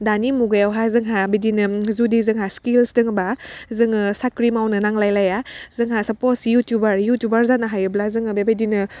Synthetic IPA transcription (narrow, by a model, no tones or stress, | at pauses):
danimuɡajawɦazɯŋɦabidinɯzudizɯŋɦaskilsdɯŋbazɯŋɯsakɾimawnɯnaŋlajlajazɯŋɦasɐposjutjubaɾjutjubaɾzanaɦajɯblazɯŋɯbebedinɯ